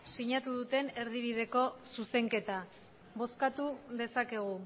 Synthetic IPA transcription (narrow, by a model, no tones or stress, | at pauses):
siɲat̪uð̞ut̪e̞ne̞ɾðiβ̞ið̞e̞ko̞suse̞ŋke̞t̪a | βo̞skat̪uðe̞sake̞ɣ̞u